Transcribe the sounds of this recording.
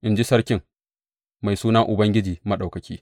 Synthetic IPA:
ʔɪ˦nd͡ʒi˦sɐ˦ɾkʲɪ˦ŋ | ma˨jsuː˦nɐ˦ŋʔʊ˨bɐ˦ŋɡʲɪ˦d͡ʒiː˨mɐ˦ɗa˨kɐ˨kʲiː˦

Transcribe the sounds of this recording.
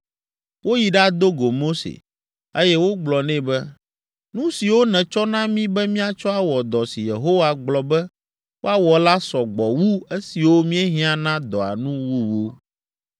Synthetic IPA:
wo˦ji˨ɖa˦d̪o˦ɡo˨mo˦sḛ˨ | e˦jɛ˦wo˦ɡ͡blɔ˨nɛ̃˦bɛ˦ | nũ˦si˨wo˦nɛ̃˨t͡ʃɔ˦nã˦mĩ˦bɛ˦mĩ˦a˨t͡ʃɔ˦a˨wɔ˨d̪ɔ˨si˨je˨ɦo˦wa˨ɡ͡blɔ˨bɛ˦ | wo˦a˦wɔ˨la˦sɔ˨ɡ͡bɔ˨wu˦e˦si˨wo˦mĩ˦ɛ˦ɦĩ˦a˨nã˦d̪ɔ˨a̰˨nũ˦wu˦wo˦

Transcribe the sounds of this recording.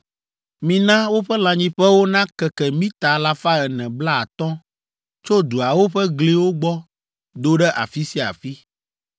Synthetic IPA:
mĩ˨nã˦wo˦ɸɛ˦lã˨ɲĩ˦ɸɛ˦wo˦nã˦kɛ˨kɛ˨mĩ˦t̪a˨la˦fa˦ɛ˨nɛ̃˨bla˦a˨t̪ɔ̃˦ | t͡ʃo˦d̪u˨a˨wo˦ɸɛ˦ɡle˦wo˦ɡ͡bɔ˦ | d̪o˦ɖɛ˦ʔa̰˨fi˦si˦a̰˨fi˦

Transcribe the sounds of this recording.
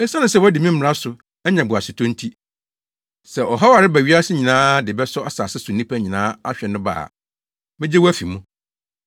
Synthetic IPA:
ɛ˦sã˦nʊ̃˦sɛ˦wɔ˦dɪ˨mĩ˦m̩˦ɾa˦sʊ˨ | ɛ˦ɲã˨bʊ˨a˨sɪ˨tʰɔ̃˦n̩˦tʰi˦ | sɛ˨ʔɔ˨ɦa˦wa˨ɾɪ˦bæ˨ɥi˦a˦sɪ˦ɲĩ˨nãː˦dɪ˨bɛ˦sɔ˦a˨sa˨sɪ˦sʊ˨nĩ˦pʰæ˦ɲĩ˨nãː˦a˦ɕᶣɛ˨nʊ̃˦ba̰ː˨ | mɪ̃˦d͡ʑɪ˦wæ˦fi˨mũ˦

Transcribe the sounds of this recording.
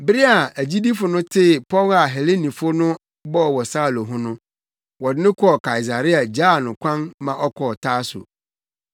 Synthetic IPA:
bɪ˦ɾi˦a˨æ˨d͡ʑi˦di˦fʊ˨nʊ̃˦tʰɪ˦˨pʰɔ˦la˨ɦɛ˨le˦nĩ˨fʊ˦nʊ̃˦ | bɔ˦˨wɔ˨saː˦˨lo˨ɦʊ̃˦nʊ̃˦ | wɔ˨dɪ˨˦nɪ̃˦kʰɔ˦˨kʰa˨i˨s̬a˨ɾɪ˦a˨d͡ʑa˦˨nʊ̃˨kʷʰã˦nmã˨ʔɔ˦kʰɔ˨tʰaː˦sʊ̰˨

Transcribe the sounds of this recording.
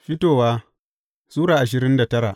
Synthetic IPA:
ɸɪ˦toː˨waː˦ | suː˦ɽaː˨ʔa˨ʃ̬ɪ˨ɾɪ˦nda˨tɐ˦ɾa˨ʔ

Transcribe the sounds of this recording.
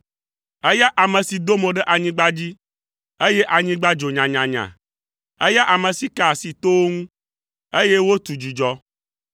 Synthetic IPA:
e˦ja˦ʔa˨mə̃˨si˨d̪o˦mẽ˨ɖe˦ʔa˨ɲĩ˦ɡ͡ba˦d͡ʑi˦ | e˦je˦ʔa˨ɲĩ˦ɡ͡ba˦d͡ʒo˨ɲã˨ɲã˨ɲã̰˨ | e˦ja˦ʔa˨mə̃˨si˨ka˨si˨t̪o˦wo˦ŋũ˦ | e˦je˦wo˦t̪u˨d͡ʒu˨d͡ʒɔ˦

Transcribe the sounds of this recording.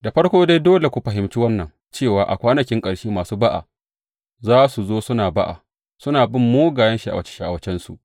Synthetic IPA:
da˨ɸɐ˦ɽkʷoː˦da˦jdoː˦le˨kʷu˨ɸɐ˨ɦɪ˨mt͡ʃiː˦wɐ˦nːɐ˨ŋ | t͡ʃeː˦˨waː˨ʔa̰˨kʷaː˦nɐ˨kʲɪ˦ŋkʼɐ˨ɽʃiː˦maː˨suː˦ba˦ʔa̰˨ | zaː˦su˨zoː˦sʊ˦naː˨ba˦ʔa̰˨ | sʊ˦naː˨bɪ˦˨mːoː˦ɡaː˨jɐ˦nʃi˦ʔa̰˨wɐ˦t͡ʃe̥˦ʃi˦ʔa̰˨wɐ˦t͡ʃɛ˦nsu˨ʔ

